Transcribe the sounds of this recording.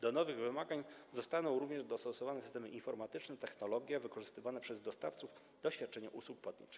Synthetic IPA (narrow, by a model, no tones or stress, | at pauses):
d̪ɔnɔvɘɣvɘmaɡaɲzɔst̪anɔ̃w̃ɾuvɲɛʐd̪ɔst̪ɔsɔvanɛsɘ̥st̪ɛmɘʔinfɔɾmat̪ɘt͡ʂnɛt̪ɛxnɔlɔɡʲjavɘkɔʐɘst̪ɘvanɛpʂɛzd̪ɔst̪aft̪suf | d̪ɔɕfʲjat̪̚ːt͡ʂɛɲaʔuswuk̚pwat̪̚ɲḭt͡ʂɘ̥x